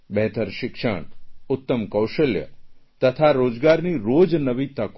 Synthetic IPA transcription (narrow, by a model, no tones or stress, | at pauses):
bɛɦt̪ʰəɾʃɪkʃə̰ɳ̃ʊt̪ːəmkəwʃəljə̰t̪ət̪ʰaɾod͡ʒɡaɾniɾod͡ʒnəʋit̪ək